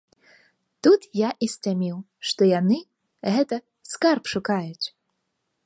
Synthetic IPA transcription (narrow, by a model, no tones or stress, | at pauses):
t̪ut̪jaʔisʲt͡sʲamʲiw | ʂt̪ɔjanɨ | ɣɛt̪ɐ | skarpʂukajut͡sʲ